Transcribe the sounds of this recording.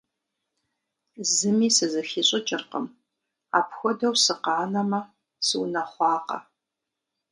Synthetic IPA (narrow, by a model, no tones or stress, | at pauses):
zɨmiːsɨzɐxiːɕʼɪt͡ʃʼɪrqə̰m | a̰ːpʰxʷɔdɐwsɨqɑːnɐmɐ | sɨwnɐχʷɑːqɐ̰